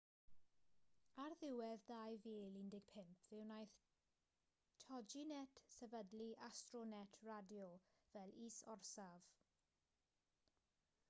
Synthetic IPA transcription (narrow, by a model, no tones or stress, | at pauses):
arðɪwɛðdajviːlɪndɪɡ̥̚pʰɪmpʰvɪwnajθ | tʰɔd͡ʒinɛtʰsɛvədliʔastrɔnɛtʰradjɔvɛliːsɔrsav̥